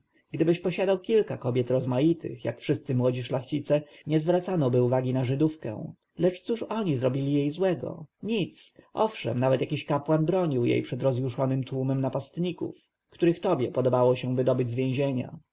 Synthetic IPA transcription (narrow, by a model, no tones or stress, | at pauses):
ɡ̥d̪ɘbɘɕpɔɕad̪awkʲilkakɔbʲjɛt̪ɾɔzmajit̪ʰɘ̰xja̰kfʂɘst̪sɘmwɔd͡ʑiʂlaxt͡ɕit̪sɛɲɛzvɾat̪sanɔbɘuvaɡʲinaʐɘd̪ufkɛ̰̃ | lɛt͡ʂt̪suʂɔɲizɾɔbʲilʲijejzwɛɡɔ̰ɲit̪sʔɔfʂɛ̰mnavɛt̪jakʲiɕkapwanbɾɔɲiwjḛjpʂɛd̪ɾɔzjuʂɔnɘmt̪wumɛmnapast̪ɲikṵf | kt̪uɾɘxt̪ɔbʲjɛpɔd̪ɔbawɔɕɛ̃vɘd̪ɔbɘd͡ʑʲzvʲjẽʑeɲa̰